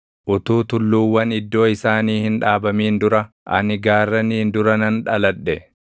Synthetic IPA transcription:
ʔʊt̪uːt̪ʊlːuːwːɐnɪd̪ːo̞ːɪsaːniːhɪnᶑaːbɐmiːnd̪ʊɾɐ | ʔɐ̰nɪɡaːrːɐniːnd̪ʊɾɐnɐnᶑɐlɐᶑːɛ

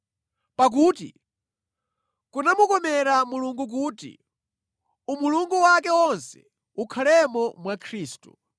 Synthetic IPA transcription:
pak̬uːtḭ | kunamukɔmɛɾamuluŋɡuk̬uːtḭ | umuluŋɡuwakɛwɔnsɛ̥̰ | ukʰalɛmɔmwakʰɾiːstṵ

